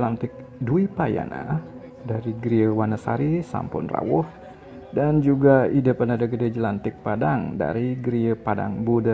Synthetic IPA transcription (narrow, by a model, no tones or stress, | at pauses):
lant̪ɪk̚ | duipaja̰na̰ | daɾiɡɾiəwanasa̰ɾisa̰mpʊ̰nra̰wʊh | dand͡ʒuɡaidəpadadaɡədəd͡ʒəlant̪ɪk̚padaŋda̰ɾiɡɾiəpada̰ŋbudə